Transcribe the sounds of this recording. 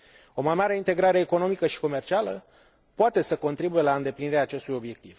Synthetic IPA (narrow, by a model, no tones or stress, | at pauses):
o̞majmaɾe̞int̪e̞ɡɾaɾe̞ːko̞no̞mikəʃi̥ko̞mert͡ʃialə | poat̪e̞səko̞nt̪ɾibuje̞laɨnd̪e̞pliniɾeaːt͡ʃe̞st̪ujo̞bje̞k̚t̪iv̥